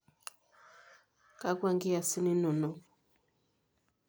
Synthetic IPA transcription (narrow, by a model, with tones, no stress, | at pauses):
ka˦kwa˦˨ŋɡi˦a˨si˦ni˦nɔ˨nɔ˨